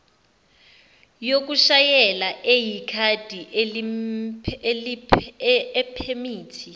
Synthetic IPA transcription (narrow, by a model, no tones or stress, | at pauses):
jok̬uʃajɛlaʔejikʰad̥ʱiʔl | ɛpʰemiːtʰi